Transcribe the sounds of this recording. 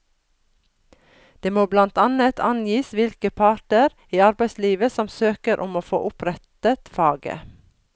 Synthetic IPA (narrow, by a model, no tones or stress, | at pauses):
d̪̥eːmoːblɑnt̪ɑnət̪ʰɑnjiːsʋɪlkəpʰɑːʈəɾ | iːɑɾbæɪsliːʋəsɔmsøːkəɾʔɔmoːfo̰ːʔʊpʰɾɛt̪ət̪fɑːɡə̰